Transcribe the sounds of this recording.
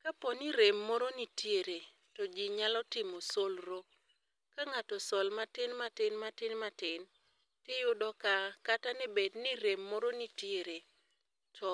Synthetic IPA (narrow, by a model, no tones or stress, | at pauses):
kapɔniɾemːɔɾonitjeɾe | tɔd͡ʒiɲalɔtɪmɔsolɾo | kaŋatɔsɔlmatɪnmatɪnmatɪnmatɪn | tɪjʊdɔkakatanɛbedniɾemːɔɾonitjeɾe | tʰɔ